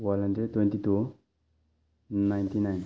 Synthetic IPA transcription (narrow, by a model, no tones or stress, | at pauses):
walɐndet̪wẽnt̪it̪u | najnt̪inajn